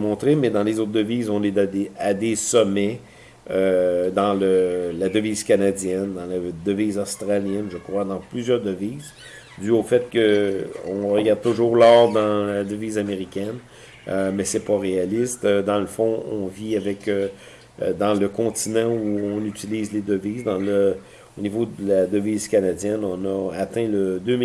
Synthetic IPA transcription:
mɔ̃t̪ʁemɛd̪ɑ̃lezot̪̚d̪əviːzɔ̃ned̪ad̪ead̪esɔmɛ | ød̪ɑ̃ləlad̪əviːz̥kanad͡zjɛnd̪ɑ̃lad̪əviːzɔst̪ʁaljɛnʒəkʁwad̪ɑ̃plyzjœːʁd̪əviːz | d̪yofɛt̪̚kəɔ̃ʁəɡaʁd̪̚t̪ːʊʒuːʁlɔːʁd̪ɑ̃lad̪əviːzameʁikʲɛn | ømɛsɛpʌʁealɪst̪d̪ɑ̃ləfɔ̃ɔ̰̃viavɛkø | d̪ɑ̃ləkɔ̃t̪inɑ̃uɔ̃nyt͡siliːzled̪əviːzd̪ɑ̃lə | onivod̪əlad̪əviːzkanad͡zjɛnɔ̃nʌat̪ɛ̃ləd̪øm

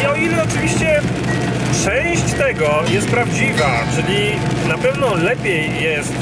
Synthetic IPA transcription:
iɔilɛɔt͡ʂɨvʲiɕt͡ɕɛ | t͡ʂɛ̃w̃ɕt͡ɕt̪ɛɡɔjɛst̪̚pɾavd͡ʑivat͡ʂɘlʲinapɛvnɔlɛpʲjɛjːɛst̪

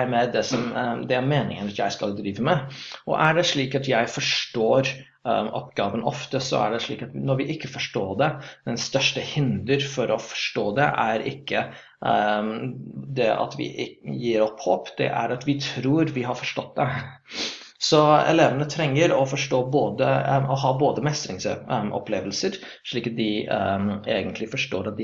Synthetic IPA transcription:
ɪmɛd̪ɛsɔmd̪ɛæɾmeːnɪ̰ŋənt̪jæɪskɑld̪ɾiːʋəmɛʔɔ̰ʔæɖɛʂɭiːkɑt̪jæɪfɔʂʈoːɾ | ʔɔ̰pɡ̥ɑːʋənɔ̰ft̪əsɔ̰æ̰ɖɛʂɭḭːkɑt̪nɔɾʋɪʔɪkːəfɔʂʈoːd̪ɛd̪̥ɛnst̪œʂʈəhɪnd̪əɾfɔɾɔfɔ̥ʂʈoːd̪ɛʔæ̰ɾɪkːə | d̪ɛɑ̰t̪ʋɪ̰ʔɪjiːɾɔpːhoːpd̪̥ɛ̰ʔæ̰ɾɑt̪ʋɪt̪ʰɾuːɾʋɪɦɑɾfɔʂʈɔt̪̚d̪ɛ | sɔɛ̰leːʋənət̪ʰɾɛŋːəɾɔfɔʂʈoːboːd̪əɔɦɑːboːd̪əmɛst̪ɾɪŋsʔɔ̰pleːʋəlsəɾ | ʂɭiːkɑt̪̚d̪ɪ | eːɡənt̪lɪfɔʂʈoːɾɑt̪̚d̪ɪ

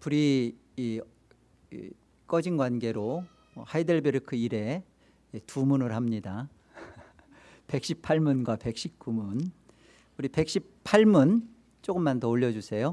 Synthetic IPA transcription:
puɾiː | k͈ʌd͡ʑinɡwanɡe̞ɾo | haideɭbeɾɯkʰɯiɾe̞ | tumunɯɾɦamɲida | pe̞k̚ɕ͈ʰipʰaɭmunɡwape̞k̚ɕ͈ip̚k͈umun | uɾipe̞k̚ɕ͈ippʰaɭmun | t͡ɕ͈oɡɯmːantʌoʎːʌd͡ʑusʰe̞jo

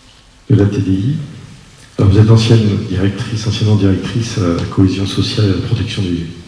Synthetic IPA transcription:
d̪̥əlat̪ed̪ei | vuzɛt̪ɑ̃sjɛnd̪iʁɛk̚t̪χisɑ̃sjɛnmɑ̃d̪iʁɛk̚t̪χislakʰɔezjɔ̃sɔsjalelapχɔt̪ɛksjɔ̃d̪y

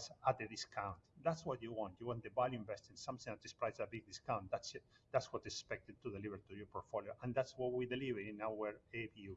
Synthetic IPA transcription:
sat̪̚d̪eðiskʰãw̃nt̪d̪atswɔt̪juwɔ̃nt̪juwɔ̃nt̪̚ðebaljuĩmbɛst̪ĩnsʌ̃mθĩŋðat̪̚d̪ɨspɾajsabiɡ̚d̪iskãw̃nt̪d̪atsd̪atswɔt̪espɛk̚t̪ɨd̚t̪uðelivəɾt̪ujɔɹpoɾtfoljoʔãnd̪atswɔt̚wid̪elivəɾĩnawəɾepiu

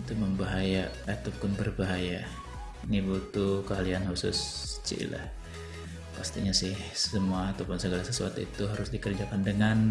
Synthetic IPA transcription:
it̪uməmbaɦaja | at̪ukʊnbərbaɦaja | nibut̪ukəɦalianhusʊ̰st͡ʃḭla̰h | past̪ḭɲasɪhsəmuaːt̪awpʊnsəɡalasəsua̰t̪uḭt̪uɦaɾʊsdikərd͡ʒakandəŋan

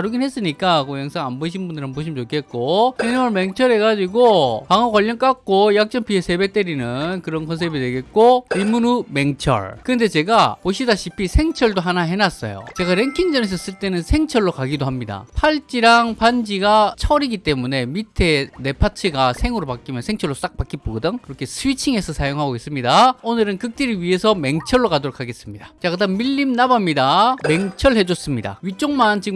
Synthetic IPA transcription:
aɾuɡinɦe̞s͈ɯɲik͈akojʌŋsʰaŋanbʌɕ̬ʰinbundɯɭanboɕ̬ʰimt͡ɕokʰe̞t̚k͈oeɲimʌɭme̞ŋt͡ɕʰʌɾɦe̞ɡad͡ʑiɡopaŋakwaʎːʌnk͈ak̚k͈ojak̚t͡ɕ͈ʌmpʰiesʰe̞bek̚t͈eɾinɯnkɯɾʌnkʰʌns̬ʰebidweɡe̞t̚k͈oimunume̞ŋt͡ɕʰʌ̰ɭkɯnde̞t͡ɕe̞ɡapoɕ̬ʰidaɕʰipʰisʰe̞ŋt͡ɕʰʌɭdoɦanaɦe̞nas͈ʌ̰jo̰t͡ɕe̞ɡaɾe̞ŋkʰiŋd͡ʑʌnes̬ʰʌs͈ɯɭt͈e̞nɯnsʰe̞ŋt͡ɕʰʌɭːokaɡidoɦamɲida̰pʰaɭt͡ɕ͈iɾaŋpand͡ʑiɡat͡ɕʰʌɾiɡit͈e̞mune̞mitʰe̞ne̞pʰat͡ɕʰiɡasʰe̞ŋuɾopak͈imjʌnsʰe̞ŋt͡ɕʰʌɭːos͈ak̚p͈ak͈ip͈oɡɯdɯŋkɯɾʌkʰe̞sʰɯwit͡ɕʰiŋe̞sʰʌsʰajoŋɦaɡois͈ɯmɲidaonɯɾɯnkɯk̚t͈iɾiɥiɦe̞sʰʌme̞ŋt͡ɕʰʌɭːokadoɾokʰaɡe̞s͈ɯmɲid̥at͡ɕaɡɯdamiʎːimnabamɲidame̞ŋt͡ɕʰʌɭhe̞d͡ʑʌs͈ɯmɲida̰ɥit͡ɕ͈oŋmant͡ɕi

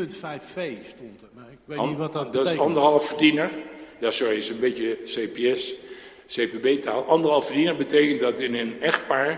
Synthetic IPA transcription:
pnfɛjffejstɔn | dɔsɑndərɦɑlˠəfərdinəɹjaːsɔɹiɪsənbɪtjəsejpeɛs | sejpebeːtʰaːlˠʔɑndərɦɑlˠfədinəɹbəteːkəntdɔtɪnənɛχt̚paːɹ

